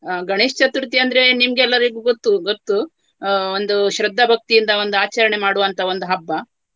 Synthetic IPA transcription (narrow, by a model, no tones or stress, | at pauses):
ɡɐɳeːʂt͡ʃɐt̪uɾut̪iɐnd̪ɾe̞nimɡeɛlːɐɾiɡuɡot̪ːuɡot̪ːu | o̞nd̪uʃɾɐd̪ʱːɐbʱɐk̚t̪ijind̪ɐo̞nd̪uaːt͡ʃɐɾɐɳe̞maːɽuʋɐnt̪ʰɐo̞nd̪uɦɐbːɐ